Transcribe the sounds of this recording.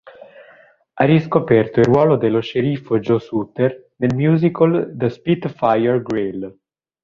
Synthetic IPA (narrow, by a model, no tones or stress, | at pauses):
arːiskopɛrt̪oirwɔːlod̪elːoʃeɾifod͡ʒosut̪ːernelmjuːzikold̪əspit̪fajɛrɡɾil